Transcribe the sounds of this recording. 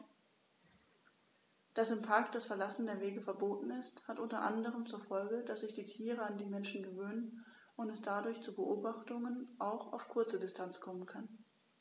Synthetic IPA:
d̥asɪmpʰaɐk̚t̚d̥asfɛɐlasn̩deːɐveːɡəfɛɐboːtn̩ɪsthatʔʊntɐʔandəʁ̞əmt͡suːɐfɔlɡədasz̥ɪçd̥iːtʰiːʁəandiːmɛnʃn̩ɡəvøːnən | ʊntɛsd̥adʊɐçt͡suːbəʔoːbaχtʊŋənʔaʊxa̰ʊfkʰʊɐt͡sədɪstʰant͡skʰɔmənkʰan

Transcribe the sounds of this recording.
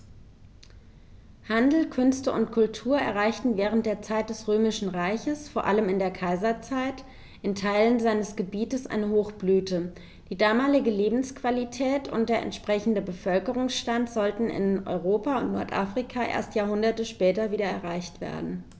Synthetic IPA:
handl̩kʰʏnstəʊntkʰʊltʰuːɐʔɛ̰ɐʁaɪçtn̩vɛːʁ̞ənt̚d̥eːɐt͡saɪt̚d̥ɛsʁøːmɪʃn̩ʁaɪçəsfoːɐʔaləmɪndeːɐkʰaɪzɐt͡saɪt | ʔɪntʰaɪlənzaɪnəsɡ̥əbiːtəsʔa̰ɪnəhoːxb̥lyːtə | d̥iːdaːmaːlɪɡəleːbm̩skv̥alitʰɛːtʰʊ̰nt̚d̥eːɐɛ̰ntʃpʁ̥ɛçn̩dəbəfœlkəʁʊŋsʃtantz̥ɔltn̩ɪ̰nʔɔ̰ʏʁoːpaʊ̰ntnɔ̰ɐtʔafʁ̥ikʰaʔḛːɐstjaːɐhʊndɐtəʃpɛːtɐviːɾɐɛɐʁaɪçtv̥ḛːɐdn̩

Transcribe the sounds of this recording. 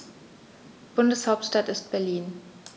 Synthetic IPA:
b̥ʊndəshaʊp̚tʃtatɪst̚b̥ɛɐliːn

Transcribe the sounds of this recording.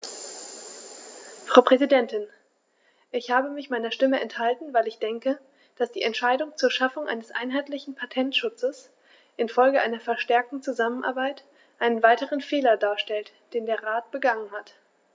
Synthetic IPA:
fʁ̥aʊpʁ̥ɛzidɛntɪn | ʔɪçhaːbəmɪçmaɪnɐʃtɪməʔɛnthaltn̩vaɪlɪçd̥ɛŋkə | d̥asd̥iːʔɛntʃaɪdʊŋt͡suːɐʃafʊŋʔa̰ɪnəsʔa̰ɪnɦaɪtlɪçn̩pʰatʰɛntʃʊt͡səs | ʔɪnfɔlɡəʔaɪnɐfɛɐʃtɛɐk̚tn̩t͡suzamənʔa̰ɐbaɪt | ʔaɪnənvaɪtəʁənfeːlɐdaːɐʃtɛlt | d̥eːndeːɐʁaːt̚b̥əɡaŋənhat

